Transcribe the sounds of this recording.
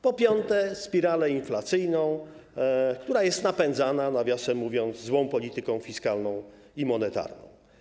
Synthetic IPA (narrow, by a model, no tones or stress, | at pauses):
pɔpʲjɔnt̪ɛspʲiɾalɛinflat̪sɘjnɔ̃w̃ | kt̪uɾajɛst̪napɛnd̪zananavʲjɔsɛmuvʲjɔnt̪zzwɔ̃w̃pɔlʲit̪ɘkɔ̃w̃fʲiskalnɔ̃w̃ | imɔnɛt̪a̰ɾnɔ̰̃w̃